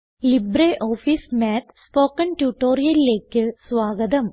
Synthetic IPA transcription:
libɾeːʔoːfismeːt̪ʰspoːkɐnʈjuːʈːoːɾijɐlileːkːɨsʋaːɡɐd̪ɐm

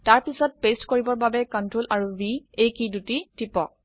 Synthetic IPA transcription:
taɹpisɔt̚pestkoɹibɔɹbabɛkɔntɹolʔaɹubiejkidutitipɔk̚

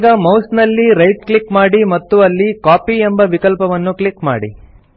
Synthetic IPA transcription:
ɡɐmɐwsnɐlːiɾɐjʈ̚kɭikmaːɽimɐt̪ːuɐlːikaːpiembɐʋikɐlpɐʋɐnːukɭikma̰ːɽḭ

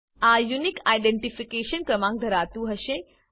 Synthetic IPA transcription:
ajunikajɖẽɳʈifikeːʃənkɾəmãŋk̚d̪ʱəɾaːt̪ũɦəʃẽ

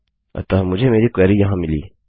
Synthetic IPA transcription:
ɐ̰t̪aːmʊd͡ʒʱemeːɾikɛːɾijɐɦãmɪlḭː

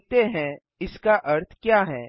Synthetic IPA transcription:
t̪eɦɛ̃ | ɪskaʔɐɾt̪ʰkjaːɦɛː

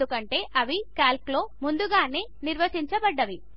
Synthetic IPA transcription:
ukɐɳʈe̞ːʔɐʋikaːlklo̞ːmund̪uɡaːneːniɾʋɐt͡ʃiɲt͡ʃɐbɐɖːɐʋi

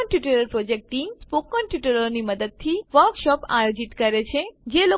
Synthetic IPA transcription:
ɳʈjuʈəɾəɾpɾod͡ʒek̚ʈʈːimspokːɔɳʈjuʈəɾoniməd̪əd̪̚t̪ʰiʋəɾkʃɔpa̰jod͡ʒiʈkəɾet͡ʃʰed͡ʒelo

